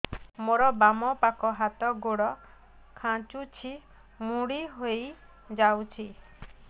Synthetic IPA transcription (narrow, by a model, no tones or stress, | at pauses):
moɾɔbamɔpakɔɦat̪ɔɡoɽɔ | kʰãt͡ʃut͡ʃʰi | muɽiɦoj | d͡ʒawt͡ʃʰi